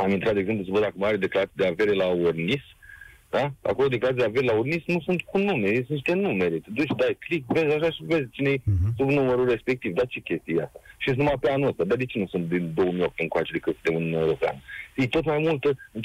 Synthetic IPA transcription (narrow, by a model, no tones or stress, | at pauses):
amint̪ɾat̪eɡzemplusəbət̪d̪akəmaɾed̪e̞klaɾat̪id̪eave̞ɾelaornisd̪aa̰ko̞lo̞d̪eklaɾat̪id̪eave̞ɾelaurnisnusunt̪kunumeesuniʃt̪e̞nume̞ɾet̪ed̪ut͡ʃʲd̪ajklikve̞zʲaʃ̬aʃive̞zʲt͡ʃinejsubnuməɾure̞spe̞k̚t̪ivd̪at͡ʃe̞kʲe̞st̪ijea̰st̪ḁʃiesnumapeanuəst̪ad̪ad̪e̞t͡ʃe̞nusunt̪̚d̪ind̪o̞wəmio̞p̚t̪eŋkoat͡ʃe̞d̪ekɨt̪sɨt̪eununuaewɾo̞pea̰nəfijt̪o̞t̪majmult̪əɨ